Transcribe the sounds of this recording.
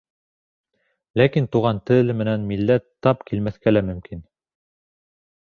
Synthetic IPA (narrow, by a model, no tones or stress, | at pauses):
lækint̪uʁɑnt̪ɘlɘmɘ̆nænmilːæt̪ːɑpkilmæθkælæmɵ̆mkin